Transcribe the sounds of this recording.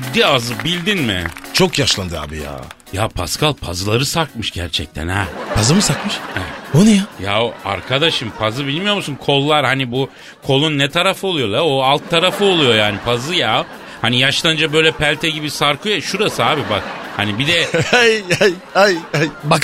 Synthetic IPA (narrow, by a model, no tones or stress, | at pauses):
d̪iazɯbilʲd̪inmɪ̰t͡ʃʰo̞kjaʃlˠand̪ɯa̰ːbija̰ː | japʰa̰skʰalˠpʰazɯlˠaɾɯsaɾkmɯʃɟæɾt͡ʃʰɛ̰c̚t̪ʰɛ̰nhɛpʰazɯmɯsakmɯʃɛonujajaoa̰ɾkʰad̪aʃɯmpʰazɯbilʲmijo̞musunkʰo̞lˠːaɾhanibu | kʰo̞lˠunːɛt̪ʰaɾafɯo̞lˠujo̞j̪ˠaoalˠt̪ʰːaɾafɯolˠujo̞jaːnipʰazɯja | hanijaʃlˠaɯnd͡ʒabø̞jlʲɛpʰælʲt̪ʰɛɟibisaɾkʰujaʃuɾasɯaːbibak̚hanibid̪ɛajaj | ajajbak